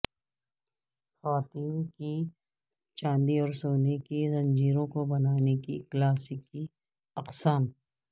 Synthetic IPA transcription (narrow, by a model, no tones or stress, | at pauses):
xɐʋaːt̪iːnki | t͡ʃãːnd̪iɔːɾsoːnekizɐ̃ɲd͡ʒiːɾõkobɐnaːnekiklaːsɪki | ɐqsaːm